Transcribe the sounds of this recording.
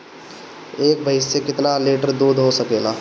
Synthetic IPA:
eːk̚bʱəɪsːekɪt̪naleːʈəɾd̪uːd̪ʱɦosəkeːlaː

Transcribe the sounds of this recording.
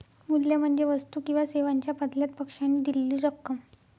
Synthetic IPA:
muljam̤əɳd͡zeʋəst̪uːkĩw̃ʋaseʋaɲt͡ɕjapəd̪ljat̪̚pəkʂanːiːd̪illiːɾəkːəm

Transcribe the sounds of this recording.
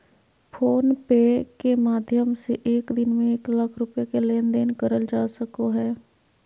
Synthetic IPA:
pʰoːnpeːkeːmaːd̪ʱjəmseʔeːkd̪ɪnmẽːɪkləkʰɾʊpɪjaːkeːleːnd̪eːnkəɾəld͡ʒaːsəkoːɦɛː

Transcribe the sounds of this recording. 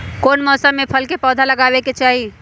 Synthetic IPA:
koːnmɔːsəmːẽpʰəlkepɔːd̪ʱalɐɡaːweket͡ʃaːɦi

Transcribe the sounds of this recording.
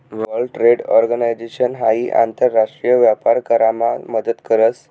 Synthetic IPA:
ʋʋəlʈɾeɽɔɾɡənajd͡zeɕənɦaɦiːʔa̰nt̪əɾːaʂʈɾijəʋjapaɾkəɾamaməd̪ət̪kəɾət͡s

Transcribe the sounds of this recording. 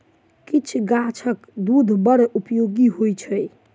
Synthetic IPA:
kit͡ʃʰɡat͡ʃʰəkd̪ud̪ʱbəɾupjoɡiɦojt͡ʃʰəj

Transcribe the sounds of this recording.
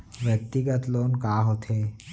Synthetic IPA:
ʋjək̚t̪iɡət̪lonkaːɦot̪ʰe

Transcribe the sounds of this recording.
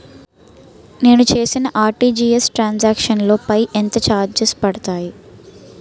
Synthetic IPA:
ne̞ːnut͡ʃe̞ːsinɐʔaːɾʈiːd͡ʒiːesʈɾaːnsaːkʂɐnlo̞ːpɐjʔent̪ɐt͡ʃaːɾd͡ʒespɐɽɐt̪aːji

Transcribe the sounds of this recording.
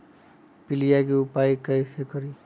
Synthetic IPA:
pilijakiupaikajsekʌɾi

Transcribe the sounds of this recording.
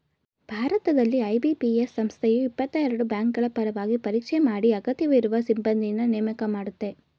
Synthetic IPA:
b̥ʱaːɾɐt̪ɐd̪ɐlːiɐjbipiesːɐmst̪ʰejuipːɐt̪ːɐɛɾɐɽubjaːŋkɡɐɭɐpɐɾɐʋaːɡipɐɾiːkʂemaːɽiɐɡɐt̪iʋiɾuʋɐsimbɐnd̪inːɐneːmɐkɐmaːɽut̪ːe̞

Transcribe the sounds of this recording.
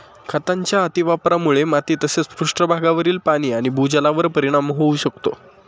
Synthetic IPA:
kʰət̪aɲt͡ɕjaət̪iʋapɾamuɭemat̪iːt̪əset͡spuʂʈɾəbʱaɡaʋəɾiːlpaɽ̃iːaɽ̃ibʱud͡ʑəlaʋəɾpəɾiɽ̃amɦouɕəkt̪o̰

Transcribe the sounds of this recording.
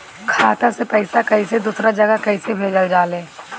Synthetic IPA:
kʰaːt̪ãsepɛɪsakɐised̪usɾad͡ʒəɡakɐɪsebʱeːd͡ʒəld͡ʒaːlẽː

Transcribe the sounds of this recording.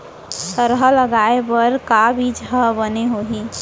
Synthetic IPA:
səɾɦələɡaepəɾkabʱid͡ʒʱəbəneɦoɦi

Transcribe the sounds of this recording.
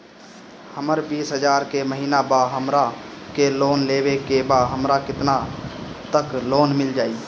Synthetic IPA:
həməɾbiːsɦəd͡ʒaːɾkeməɦiːnabaɦəmɾakeloːnleːwekebaɦəmɾakɪt̪nat̪əkloːnmɪld͡ʒaːiː

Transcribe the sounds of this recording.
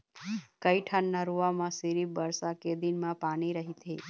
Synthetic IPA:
kəiʈʰənːaɾuʋamãsiɾibəɾsaked̪inmãpaniɾəɦit̪ʰe

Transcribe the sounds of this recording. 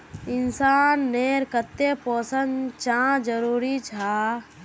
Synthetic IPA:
ɪnsaːnːeːɾkət̪ːepoːsənt͡ʃãd͡ʒəɾuːɾit͡ʃʰaː

